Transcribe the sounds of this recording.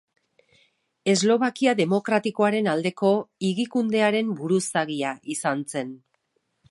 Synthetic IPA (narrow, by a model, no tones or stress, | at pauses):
e̞zlo̞βakiaðe̞mo̞kɾat̪iko̞aɾe̞nald̪e̞ko̞iɣikund̪e̞aɾe̞mbuɾusaɣiaʔisant͡se̞n